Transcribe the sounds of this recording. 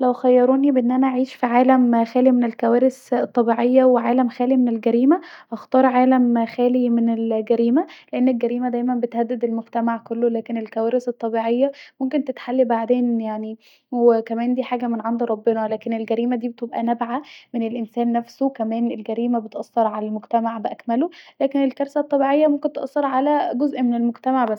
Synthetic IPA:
læwxæjːɑɾˤoːnibeʔenːʔænæʔaʕiːʃfiʕaːlæmxæːlimenelkæwæːɾest̪ˤːɑbiːʕejːæweʕaːlæmxæːlimenelɡæɾiːmæʔɑxt̪ɑːɾˤʕaːlæmxæːlimenelɡæɾiːmæleʔenːelɡæɾiːmæd̪æjmænbet̪hæd̪ːed̪elmoɡt̪æmaʕkolːolæːkenelkæwæːɾeset̪ˤːɑbiʕejːæmomkent̪et̪ħalːibaʕd̪eːnjaʕni | wekæmæːnd̪iːħaːɡæmenʕand̪uɾˤɑbːenælæːkenelɡæɾiːmæd̪iːbet̪ebʔæ̰næbʕamenelʔensæːnːæfsokæmæːnelɡæɾiːmæbet̪ʔɑsˤːɑɾˤʕalælmoɡt̪æmaʕbeʔækmælolæːkenelkɑɾˤsæt̪ˤːɑbiʕejːæmomkent̪ʔɑsˤːɑɾˤʕalæɡozʔmenelmoɡt̪æmaʕbæsː

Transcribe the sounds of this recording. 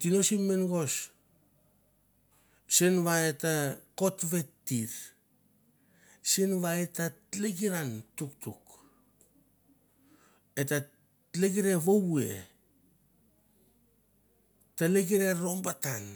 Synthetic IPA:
tino̞simːenɡo̞s | senβaetako̞tβe̞tːiɾ | senβaetaleɡiɾantuktuk | eta | leɡiɾe̞βowue̞̰ | taleɡiɾe̞ɾo̞mbatan

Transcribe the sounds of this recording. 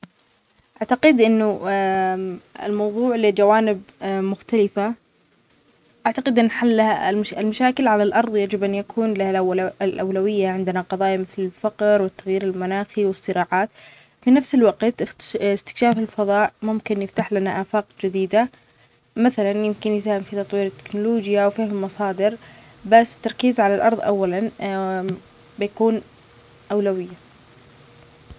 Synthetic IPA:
ʔaʕt̪aqɪd̪ʔɪnːʊ | ɪ̰lmɑwðˤuːʕlɪd͡ʒawaːnɪb̚mʊxt̪alɪfa | ʔaʕt̪aqɪd̪ʔɪnːħalːahaɪlmaʃaːkɪlʕalalʔɑɾˤðˤjad͡ʒɪbʔanjakʰuːnlahalʔlʔawlawɪjːaʕɪnd̪ɪnaqɑðˤɑːjmɪθlɪlfaqɾwɪt̪ːaɣjiːɾɪlmanaːxiwɪsːɨɾɑːʕaːt̪ | finafsɪlwaɡqt̪ɪɪst̪ɪ̥kʃaːfɪlfɑðˤɑːʔmʊmkɪnjɪft̪aħlanaʔaːfaːqd͡ʒɪd̪iːd̪a | maθalanjɪmkɪnjɪsaːhɪmfit̪ɑt̪ˤwiːɾɪt̪ːɪ̥knʊloːd͡ʒjawfiːhmɪlmɑsˤɑːd̪ɪɾ | basːɪ̥t̪ːɑɾˤkiːzʕalalʔɑ̰ɾˤðˤʔa̰wːalan | bɪjakuːn | ʔawlawɪjːa

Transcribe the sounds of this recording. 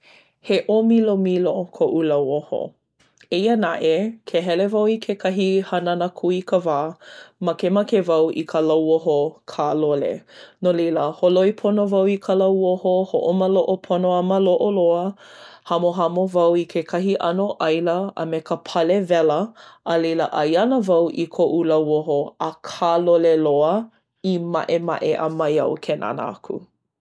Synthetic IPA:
heʔomilomilokʰoʔulɐwoho̰ | eiənaʔekʰeɦɛlevɐwikʰekʰɐɦihɐnɐnəkʰuikʰəvaːmɐkemɐkevɐwʔḭkʰəlɐwoɦokʰaːlolḛnoleləholoipʰonovɐwikʰəlɐwohohoʔoməloʔopʰonoaməloʔoloəhɐmoɦɐmovɐwikʰekʰɐɦiʔɐnoʔɐjləə̰mekəpʰɐlevɛləʔəleləʔɐjɐnəvɐwʔikʰoʔulɐwoɦoəkʰaːloleloə | ima̰ʔema̰ʔeʔə̰mɐjɐ̰wkʰenʔa̰nə̰a̰kʰṵ

